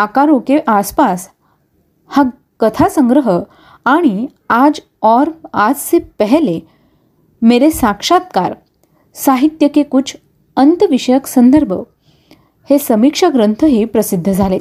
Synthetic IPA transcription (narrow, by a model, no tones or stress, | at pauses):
akaɾokeʔaspas | ha | kət̪ʰasəŋɡɾəɦə | aɽ̃i | ad͡z | ɔɾad͡zt͡sepəɦle | meɾesakʂat̪ka̰ɾ | saɦit̪jəkekut͡sʰ | ənt̪əʋiʂəjəksənd̪əɾbʱə | hesəmikʂaɡɾənt̪ʰəɦipɾəsid̪ʱːəd͡zʱale